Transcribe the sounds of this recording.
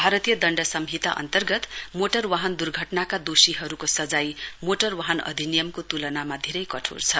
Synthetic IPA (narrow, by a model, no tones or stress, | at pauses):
bʱaɾʌt̪ijʌd̪ʌɳɖʌsʌmɦit̪a̰ʔʌ̰nt̪ʌrɡʌt̪moʈʌrwaɦʌnd̪urɡʱʌʈnakad̪osiɦʌɾukosʌd͡zajmoʈʌrwaɦʌnʌ̰d̪ʱinijʌmkot̪ulʌnamad̪ʱeɾʌjkʌʈʰṵrt͡sʰʌ